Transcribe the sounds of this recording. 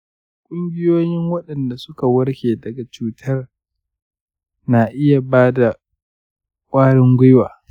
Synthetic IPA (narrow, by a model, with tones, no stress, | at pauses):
kʷʼʊ˦mɡʲɪ˦joː˦jɪ˦ŋwɐ˦ɗɐ˨nda˨sʊ˦ka˨wɐ˦ɽkʲeː˨dɐ˨ɡa˨t͡ʃuː˦tʰɐ˦r | na˨ʔɪ˦ja˨baː˦da˨ | kʷʼaː˦ɽɪ˦ŋɡʷʊ˦jwaː˨